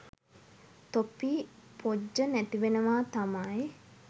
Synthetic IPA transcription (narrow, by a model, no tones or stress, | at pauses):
t̪opiːpʰod͡ʒːənæt̪iʋenəʋaːt̪amaj